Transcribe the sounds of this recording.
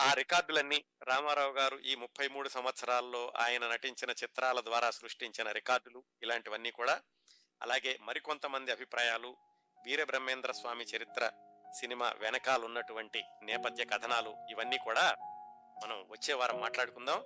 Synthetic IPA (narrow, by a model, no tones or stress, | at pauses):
aːɾikaːɾɖulɐnːiːɾaːmaːɾaːwɡaːɾuʔiːmupʰːɐjmuːɽusɐmʋɐt̪sɐɾaːllːo̞ːʔa̰ːjɐnɐnɐʈiɲt͡ʃinɐt͡ʃit̪ɾaːlɐd̪ʋaːɾaːsɾuʂʈiɲt͡ʃinɐɾikaːɾɖulu | ilaːɳʈiʋɐnːiːkuːɽaː | ɐ̰laːɡe̞ːmɐɾikont̪ɐmɐnd̪iɐbʱipɾaːjaːlu | ʋiːɾebɾɐmːeːnd̪ɾɐsʋaːmit͡ʃɐɾit̪ɾɐsinima̰ːʋɛnɐkaːlunːɐʈuʋɐɳʈinɛːpɐd̪jɐɡɐd̪ʰʱɐnaːluiʋɐnːiːkuːɽaː | mɐnɐmʋɐt͡ʃːɛːʋaːɾɐmːaːʈlaːɽukund̪aːm